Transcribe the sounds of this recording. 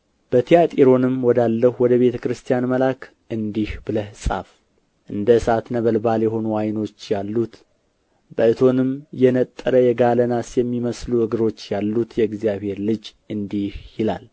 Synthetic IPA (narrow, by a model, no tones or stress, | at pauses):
b̥ət̪ʰijat̪ʼiɾo̞nɨmwɔd̪alːəhuwɔd̪əβe̞t̪ʰəkɾɨst̪ʰijanməlak | ʔɨnd̪ihbɨləhsʼa̰f | ʔɨnd̪əsat̪nəβəlbaljɛɦo̞nuwajno̞t͡ʃːjalːut̪ | bəɨt̪ʰo̞nɨmjɛnət̪ʼːəɾəjɛɡalənasjɛmːiməsluɨɡɨɾo̞t͡ʃːjalːut̪jɛɡzijaβhe̞ɾlɨd͡ʒ | ɨnd̪ihjɪla̰l